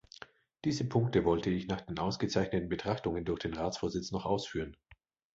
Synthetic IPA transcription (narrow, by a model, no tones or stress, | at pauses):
d̥iːzəpʰʊŋk̚təvɔltʰəɪçnaːχd̥eːnʔaʊsɡ̥ət͡saɪçnətn̩bətʁ̥aχtʊŋəndʊɐçd̥eːnʁaːt͡sfoːɐzɪt͡snɔχʔaʊsfyːʁən